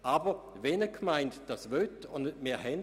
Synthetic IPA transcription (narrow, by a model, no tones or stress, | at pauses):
aːbə | vɛnəkʰmaɪntd̥asvøtʊnnmeːɐɦɛn